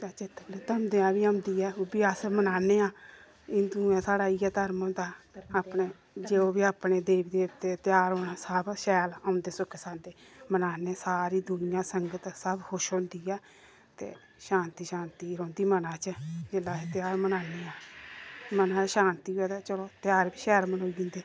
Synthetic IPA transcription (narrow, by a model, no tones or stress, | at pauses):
t̪aːt͡ʃɪt̪ːbleːt̪əmd̪eãːbiːãʊnd̪iːɛːbiːasəmənaːneːãː | ɪ̃nd̪uãːsaːɽaːiːɛːt̪əɾmõnd̪aːaːpneː | d͡ʒeːoːbiːaːpneːd̪eːbd̪eːbt̪eːt̪ɪjaːɾɦoːnaːsəbʃɛːlãːʊnd̪eːsʊkʰeːsãːnd̪eːmənaːneːsaːɾiːd̪ʊnɪjãːsəŋɡət̪səbhʊʃõːnd̪iːɛː | t̪ḛː | ʃaːnt̪iːʃaːnt̪iːɾõːnd̪iːmənãːt͡ʃəd͡ʒelaːeːt̪ɪjaːɾmənaːneːaː | mənãːt͡ʃʃaːnt̪iːɛd̪aːt͡ʃəloːt̪jaːɾbiːʃɛːlmənoːiːɪ̃ːnd̪eː